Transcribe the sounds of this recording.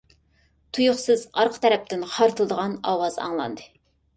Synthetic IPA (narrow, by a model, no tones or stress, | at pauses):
t̪ʰujuχsɨzɑɾqʰə̥t̪ʰɛɾɛp̚t̪ɪnχʰɑɾt̪ʰɨlˠd̪əʁɑnɑwɑzɑ̰ŋlˠɑ̰nd̪ɨ